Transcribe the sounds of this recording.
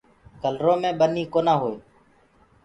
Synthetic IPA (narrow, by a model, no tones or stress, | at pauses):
kəlɾõːmẽːɓəniːkoːnãːɦoːeː